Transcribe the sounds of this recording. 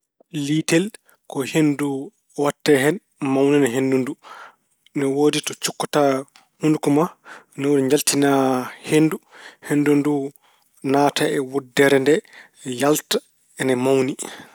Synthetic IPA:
liːtɛl | kɔhendu | watːɛɦɛn | mawninaɦendundu | nɛwoːditɔt͡ʃukːɔta | hundukɔma | nɛwudiɲd͡ʒaltinahenduhendundu | naːtaɛwudːɛɾɛndɛ | jalta | ɛnɛmawni

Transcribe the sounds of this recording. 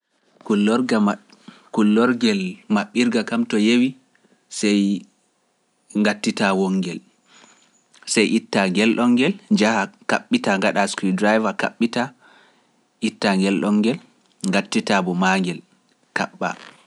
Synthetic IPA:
kulːɔɾɡ | kulːɔɾɡɛlmaɓːiɾɡakamtɔjewi | sɛj | ŋɡatːitawɔŋːɡɛl | sɛjʔitːaŋɡɛlɗɔŋɡɛld͡ʒahaka̰ɓːitaŋɡaɗaskidɾajvaka̰ɓːita | ʔitːaŋɡɛlɗɔŋɡɛl | ŋɡatːitabɔmaŋɡɛl | kaɓːa̰

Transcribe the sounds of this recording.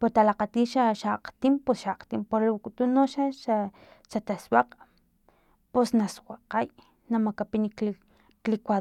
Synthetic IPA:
poɾt̪alaqat̪iːʃaʃaqt̪imposʃaqt̪impoɾlukʼut̪unoʃaʃa | ʃat̪aswaq | posnaswaqaj | namakapinik | klikʷa

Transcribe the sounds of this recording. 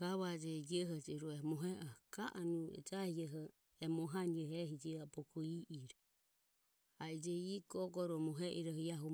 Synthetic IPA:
aβad͡ʒɛd͡ʒɛɦɔd͡ʒɛɾɔɛmɔɦɛʔɔkaʔanuɛ̰d͡ʒahiɛɦɔ | ɛmɔɦaniɛɦɛɦid͡ʒiabɔkʰɔiʔiɾɔ | aid͡ʒɛiɡɔɡɔɾɔmɔɦɛʔiɾɔhɔjaɦu

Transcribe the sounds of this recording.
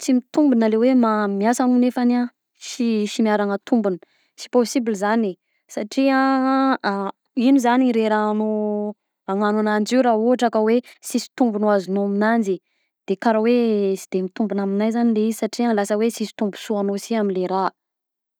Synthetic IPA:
t͡simit̪umbunalewemamiasanunefana | ʃiʃimiaɾaŋət̪umbunə | si̥posibilizani | saʈ͡ʂiã | inuzaniɾeɾano | aŋananand͡ʒiwɾaɦuaʈ͡ʂakəwesisi̥t̪umbunoazunoaminand͡ʒi | d̪̥ekaɾawesi̥d̪̥emit̪umbunaminajzanileizisaʈ͡ʂialasəwesisi̥t̪umbu̥suanosiaminleɾa

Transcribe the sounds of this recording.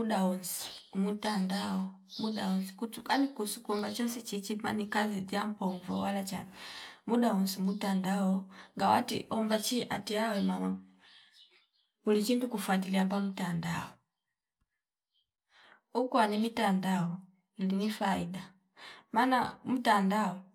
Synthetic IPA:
muɗaɔnsi̥mutandaɔ | muɗaɔnsi̥kutukanikusukɔmbat͡ʃɔnsit͡ʃit͡ʃima̰nikazid͡ʒampɔɱvɔ̰walat͡ʃa̰nɛmuɗaɔnsimutandaɔŋɡawa̰tḭʔɔɱvat͡ʃiʔa̰tiawɛmana | ulit͡ʃintukufwadiliambamutandaɔ | ukwanimitandaɔ | linifaiɗa | mana̰mutandaɔ

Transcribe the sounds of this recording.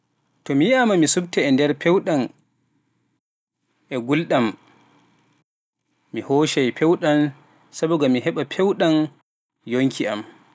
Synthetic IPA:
tɔmijamamisub̚tɛːndɛɾpʰɛwɗan | ʔɛɡulɗam | mihoʃajpʰɛwɗan | sabuɡamiɦɛɓapʰɛwɗan | joŋkʰiʔam

